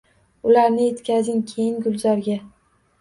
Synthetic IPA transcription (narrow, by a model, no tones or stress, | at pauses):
ʊlaɾnɪje̞t̪kʲazɪŋkʲʰejɪŋɡʊlˠzɒɾɡʲa